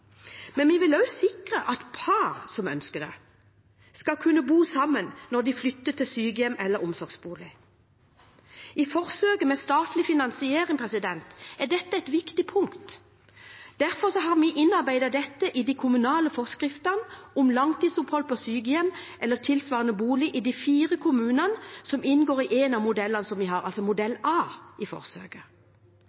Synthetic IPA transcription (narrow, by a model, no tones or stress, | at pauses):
mɛnʋiʋɪlœʉsɪkʁəʔɑt̪pʰɑʁsɔmœ̰nskəd̪ɛ̰ | skɑkʰʉnːəbuːsɑmːənnɔd̪ɪflʏt̪ːət̪ʰːɪlsyːɡəjɛmɛlːəɾʊmsɔʁɡsbuːlɪ | ɪfɔʁsøːkəmɛst̪ɑːt̪lɪfɪnɑnsɪeːʁɪŋpʰʁɛsɪd̪ɛnt̪æʁd̪ɛt̪ːəɛɪt̪ʋɪkt̪ɪpʰʊŋkt̪ | d̪̥æɾfɔʁsɔɦɑʁmiʔɪnːɑɾbæɪd̪ɑd̪ɛt̪ːəʔɪd̪ikʰʊmʉnɑːləfɔʁskʁɪft̪ənɔmlɑŋt̪iːd̪sʊphɔlpʰɔsyːɡəjɛmʔɛlːət̪ʰɪlsʋɑːʁənəbuːlɪʔɪd̪ifiːʁəkʰʊmʉːnɑnəsɔmɪnɡoːʁɪʔeːnɑmʊd̪ɛlːɑnəsɔmʋɪɦɑɾɑ̰lsɔmʊd̪ɛlɑːɪfɔ̰ʁsø̰ːkə